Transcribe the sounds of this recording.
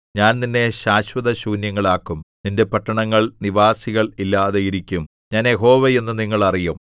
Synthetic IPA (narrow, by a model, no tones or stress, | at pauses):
ɲaːnninːe̞ɕaːɕwɐðɐɕuːnjɐŋːɐɭaːkːumninde̞pɐʈːɐɳɐŋːɐɭniʋaːsiɣɐɭilːaːðejiɾikʲːum | ɲaːnjeɦo̞ːʋee̞nːɨniŋːɐɭɐrijum